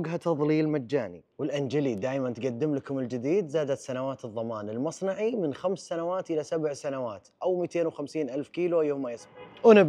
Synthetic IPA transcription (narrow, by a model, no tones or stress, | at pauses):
ɡɦat̪ɑðˤliːlmad͡ʒːaːnḭ | wɪlʔand͡ʒalid̪aːʔmant̪ɡad̪ːɪmlakʊmɪld͡ʒɪd̪iːd̪zaːd̪at̪sanawaːt̪ɨðˤːɑmaːnɪlmɑsˤnɑʕimɪnxamsːanawaːt̪ʔɪlasabʕsanawaːt̪ʔawmiːt̪eːnwxamsiːnʔalfkiːluʔajːoːʊmːajɪsʔnɪb